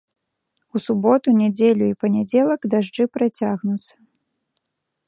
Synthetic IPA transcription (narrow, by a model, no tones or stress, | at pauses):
usubɔt̪unʲad͡zʲelʲuipɐnʲad͡zʲɛlˠɐɡd̪aʐd͡ʐɨpɾat͡sʲaɣnut̪sɐ̥